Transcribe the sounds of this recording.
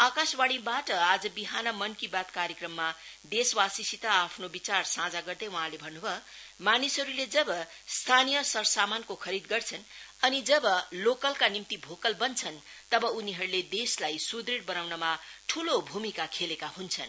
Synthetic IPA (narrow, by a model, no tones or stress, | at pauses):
akaswaɽ̃ibaʈʌad͡zʌbiɦanʌmʌnkibat̪kaɾjekrʌmːad̪eswasisit̪aːpʰnobit͡sarsãd͡zaɡʌrd̪ʌjwʌɦãlebʱʌnːubʱʌmanisɦʌɾuled͡zʌbʌ | st̪ʰanijʌsʌrsamankokʰʌɾid̪ɡʌrt͡sʰʌnʌnid͡zʌbʌlokʌlkanimt̪ibʱokʌlbʌnt͡sʰʌnt̪ʌbʌuniɦʌɾuled̪eslajsud̪ɾiɽbʌnawnʌmaʈʰulobʱumikakʰelekahunt͡sʰʌ̰n